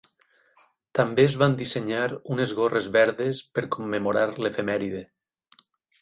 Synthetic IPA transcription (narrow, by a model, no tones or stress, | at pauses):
t̪ambeːzβand̪iseɲaɾunezɣorezβɛɾðespeɾkomːemoɾaɾlefemɛɾiðe